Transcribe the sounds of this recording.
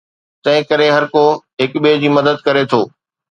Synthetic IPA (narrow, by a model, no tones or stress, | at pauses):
t̪ɐ̃ɦɪ̃kɐɾeɦɐɾkoɦɪkɓied͡ʑiːmɐd̪əd̪̚kɐɾet̪ʰoː